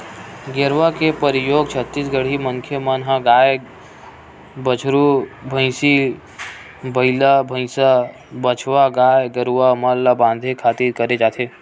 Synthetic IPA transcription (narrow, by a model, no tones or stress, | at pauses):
ɡeɾʋakepəɾijoːɡ̚t͡ʃʰət̪ːisɡəɽ̤iməŋkʰjəmənɦãɡaːj | bət͡ʃʰɾubʱə̃ɪ̃si | bəilabʱə̃sa | bət͡ʃʰʋaɡajɡəɾuʋamalːabãːnd̪ʱekʰat̪iɾkəɾed͡ʒaːt̪ʰe